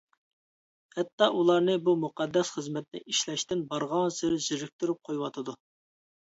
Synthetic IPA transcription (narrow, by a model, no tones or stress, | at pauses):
hɛt̪ːɑʔulˠɑɾnɨbumuqɑd̪ːɛsχəzmɛt̪̚nɪ̰ʔiʃlɛʃt̪ɪnbɑɾʁɑŋsɪɾɪzɪɾɪk̚ʲt̪yɾyp̚qʰojwɑt̪ʰɨd̪u